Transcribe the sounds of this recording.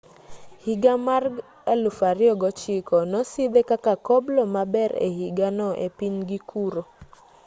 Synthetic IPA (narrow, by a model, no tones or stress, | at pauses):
hiɡamarɡ | elʊfaɾɪɔɡɔt͡ʃɪkɔnɔsid̪ekakakɔblɔmabɛɾḛhiɡanɔʔepiɲɡikʰuɾo